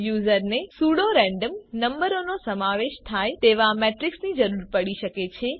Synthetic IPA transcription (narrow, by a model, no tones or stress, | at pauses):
juːzəɾnesuɽoɾɛ̃ɳɖəmnəmbəɾonosəmaʋeʃt̪ʰaet̪eʋamɛʈɾɪksnid͡ʒəɾuɾpəɽiʃəket͡ʃʰe